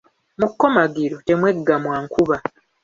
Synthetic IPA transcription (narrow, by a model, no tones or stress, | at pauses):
mukːo̞maɡiɾote̞mwe̞ɡːamwaːŋkuβa